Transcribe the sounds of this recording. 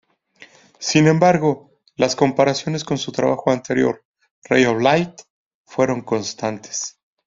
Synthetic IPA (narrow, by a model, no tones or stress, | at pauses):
sinẽ̞mbaɾɣo̞ | lasko̞mpaɾasjo̞ne̞sko̞nsut̪ɾa̰βaxo̞ant̪e̞ɾjo̞̰ɾ | rḛjoflajt̪ | fwe̞ɾo̞ŋko̞nst̪ant̪e̥s